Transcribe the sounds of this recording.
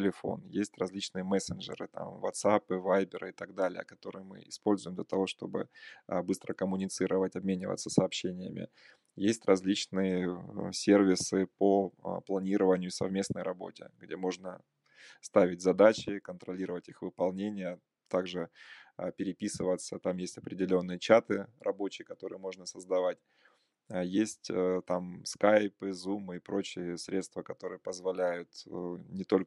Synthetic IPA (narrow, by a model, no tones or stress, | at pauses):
tʲɪlʲɪfo̞̰njesʲtʲrɐzʲlʲit͡ɕnɨjəmɛsʲɪnʐɨ̰ɾɨ̰t̪a̰mvɐ̰t̪sapɨvajbʲɪɾɨ̰ɪt̪ɐɡ̚d̪alʲɪjə̰kɐt̪o̞ɾɨ̰jmɨ̰ɪspo̞lʲzʊjɪmd̪lʲɐt̪ɐvo̞ʂt̪o̞bɨ̰bɨst̪ɾəkəmʊnʲɪt̪sɨɾəvətʲɐbmʲenʲɪvə̰t̪səsəɐːpɕːenʲɪjə̰mʲɪ̰ | jesʲtʲrɐzʲlʲit͡ɕnɨjəsʲe̞rvʲɪsɨpoplˠɐnʲiɾəvənʲɪjʊsɐ̰vmʲe̞snəjɾɐbo̞̰tʲɪ̰ɡdʲe̞mo̞ʐnə | st̪avʲɪtʲzɐd̪at͡ɕɪkənt̪ɾɐlʲiɾəvətʲixvɨpɐlˠnʲenʲɪjə | t̪aɡʐɨpʲɪɾʲɪpʲisɨvət̪sət̪amjesʲtʲɐpɾʲɪdʲɪlʲo̞nːɨjət͡ɕat̪ɨrʔɐbo̞t͡ɕɪjkɐt̪o̞ɾɨ̰jəmo̞ʐnəsəzd̪ɐvat̚ʲː | jesʲtʲt̪amskajpɨzumːɨɪpɾo̞t͡ɕɪjəsʲɾʲe̞t̪st̪vəkɐt̪o̞ɾɨjəpəzvɐlʲæjʊt̪nʲɪt̪o̞lʲ